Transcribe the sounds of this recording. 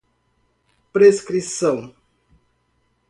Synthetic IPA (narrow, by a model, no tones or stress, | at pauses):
pɾeskɾisɐ̃w̃